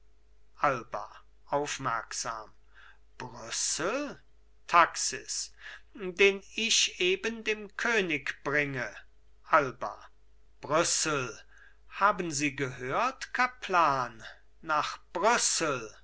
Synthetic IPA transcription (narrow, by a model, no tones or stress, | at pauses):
ʔalbɐ̰ | ʔaʊfmɛɐkz̥a̰ːm | b̥ʁʏsəl̩ | tʰaksɪ̰s | deːnɪʃʔeːbəndeːmkʰøːnɪkb̥ʁɪŋə | ʔalbɐ̰ | b̥ʁʏsəl̩ | haːbənziːɡəhøːɐtkʰapʰlaːnː | aːχb̥ʁʏsl̩